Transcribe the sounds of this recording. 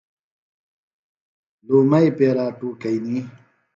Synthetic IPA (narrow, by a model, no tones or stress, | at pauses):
luːmɐipeːɾaːʈuːkɐini